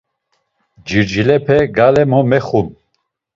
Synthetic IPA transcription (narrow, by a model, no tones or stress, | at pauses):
d͡ʒiɾd͡ʒilɛpʰɛɡalɛmɔmɛχum